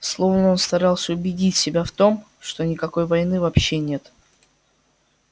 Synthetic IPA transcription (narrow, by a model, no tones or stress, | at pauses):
slˠo̞vnəo̞nst̪ɐɾɑlˠsʲəʊbʲɪdʲitʲsʲɪbʲaft̪o̞m | ʂt̪o̞nʲɪkɐko̞jvɐjnɨvɐpɕːenʲe̞t̪